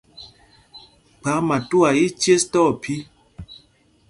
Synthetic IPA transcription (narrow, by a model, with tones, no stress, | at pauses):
k͡pa˨˦ma˨tu˦a˨ji˦t͡ʃe˦stɔ˦˨pʰi˦